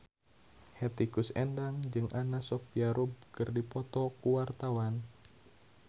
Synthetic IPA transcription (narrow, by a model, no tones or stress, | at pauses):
hɛt̪ikusɛndaŋd͡ʒɨŋʔanasɔpiaɾub̚kɨrdipɔt̪ɔkuwart̪awan